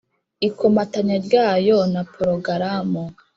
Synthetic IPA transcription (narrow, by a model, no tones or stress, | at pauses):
ikomataɲaɾɟaːjonapʰoɾoɡaɾamo